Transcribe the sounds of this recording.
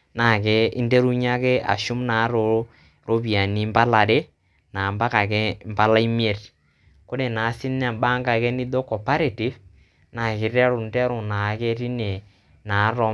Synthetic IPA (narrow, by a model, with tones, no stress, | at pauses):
na˨kɛ˦ɪ˦nde˦ɾu˦ɲa˦ke˦a̰˨ʃʊ˦mnaː˨˦ɾo˨˦ | ɾo˦pi˨a˨ni˨mba˦la˨ɾe˦ | na˨mba˦ka˨kɛ˦mba˦la˦i˦mi˦e˨t | ko˦ɾe˨na˨˦sɪ˦n˦a˨ba˦ŋɡa˨kɛ˦ni˦do˦kɔ˨pa˦ɾe˨ti˦f | na˨kɪ˨ɾɛ˦ɾʊ˨ndɛ˦ɾʊ˨na˨˦ke˦ɾi˦ne˨ | naː˨˦ɾɔ˨˦